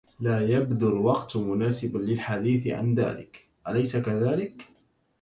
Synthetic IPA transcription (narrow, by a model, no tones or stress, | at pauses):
laːjabd̪ʊlwɑqt̪mʊnaːsɪblɪlħad̪iːθɪ̰ʕa̰nða̰ːlɪ̰k | ʔalajsakaðaːlɪk